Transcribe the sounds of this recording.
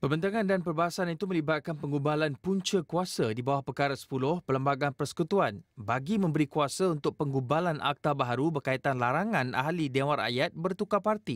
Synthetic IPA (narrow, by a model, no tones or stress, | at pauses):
pərbənt̪aŋãndanpərbaɦasanit̪umə̃libat̪̚kanpəŋɡubalanpuɲt͡ʃəkuasədibawahpərkaɾəsə̥pulʊhpələmbaɡanpərsə̥kut̪uanbaɡimə̃mbəɾikuasaunt̪ʊk̚pəŋɡubalanʔa̰k̚t̪abaɦaɾubərkait̪anlaɾaŋãnʔa̰ɦlidewaɾa̰jat̪̚bərt̪ukapart̪i